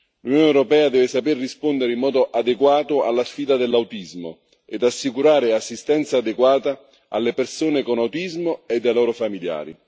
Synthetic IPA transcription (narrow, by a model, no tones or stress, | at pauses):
lunjoːneɛwɾopɛːad̪ɛːvɪsaperːispond̪eɾeimːɔːd̪oʔad̪eɡwaːt̪ʊalːasfiːd̪ad̪elːawt̪izmo̰ | ed̪asːikuɾaːɾɪasːist̪ɛnt̪saːd̪eɡwaːt̪a | a̰lːepersoːnekonawt̪izmoed̪ːelɔːɾofamilja̰ːɾḭ